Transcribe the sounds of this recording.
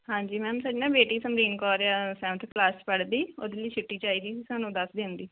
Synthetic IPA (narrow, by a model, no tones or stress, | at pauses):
ɦãːɲd͡ʒiːmɛ̃ːmsəɖnãːbeːʈĩːsəmɾiːnkɔːɾeaːsɛ̃ːt̪ʰklaːst͡ʃpəɽd̪iːoːd̪eləiːt͡ʃʰɪʈːiːt͡ʃaːiːd̪iːsiːsaːnũːd̪əsd̪ẽnd̪iː